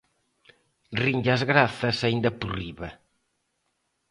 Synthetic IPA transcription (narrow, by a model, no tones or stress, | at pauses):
riɲd͡ʒazɣɾaθɐsaind̪ɐpuriβɐ